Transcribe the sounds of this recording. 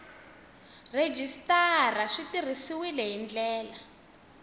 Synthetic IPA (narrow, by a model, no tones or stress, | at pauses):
red͡ʒistaraʂitir̤isiwilɛɦind͡ɮɛːla